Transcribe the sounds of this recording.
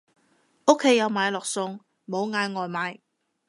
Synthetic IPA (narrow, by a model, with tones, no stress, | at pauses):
o˥kʰːe˨˥jːɐ˨˧wmaː˨˧jlɔː˨k̚sʊ˧ŋ | mo˨˧wŋaː˨˧jŋɔː˨jmaː˨˧j